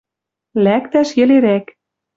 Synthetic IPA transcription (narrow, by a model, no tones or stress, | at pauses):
lækt̪æʃjɘ̆leɾæk